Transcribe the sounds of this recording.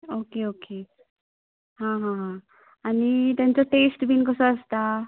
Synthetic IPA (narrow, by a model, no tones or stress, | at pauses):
okeoke | ɦãɦãɦã | anit̪jant͡sɔʈesʈbʱinkɔsɔ̃ast̪a